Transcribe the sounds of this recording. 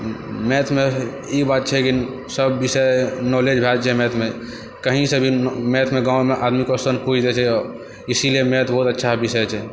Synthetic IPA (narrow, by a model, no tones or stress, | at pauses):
mɛt̪ʰme | ibat̪̚t͡ʃʰɛki | səbːisənɔled͡ʒbʱɛt̪t͡ʃʰɛmɛt̪ʰmẽ | kəɦĩsə̃bʱimet̪ʰmeɡãwmeʔad̪mikosənpud͡ʒd̪ɛt͡ʃʰɛɔɾ | isiliemet̪ʰbɔɦut̪ətːʃʰabisəjt͡ʃʰɛ